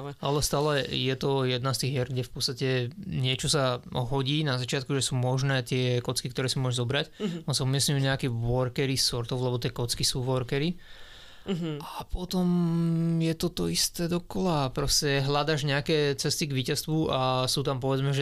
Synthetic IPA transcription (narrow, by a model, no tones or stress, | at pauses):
ʔalɛst̪aːlɛjɛt̪ɔjɛd̪nast̪iːɣɦɛɾɡɟɛfpɔt̪st̪acɛɲɪɛt͡ʃɔsaɦɔɟiːnazat͡ʃɪat̪̚kuʒɛsuːmɔʒnɛːt̪ɪɛkɔt͡skikt̪ɔɾɛːsimʊɔʒzɔbɾacɔnsaumɪɛsɲujuːɲɛakɛʋɔɾkɛɾisɔɾt̪ɔʊlɛbɔt̪ɪɛkɔt͡skisuːʋɔɾkɛɾi | apɔt̪ɔmjɛt̪ɔt̪ɔ̰ist̪ɛːd̪ɔkɔlapɾɔscɛɦlad̪aːʒɲɛakɛːt͡sɛst̪iɡʋiːcast̪ʋuasuːt̪ampɔʋɛd͡zmɛʒɛ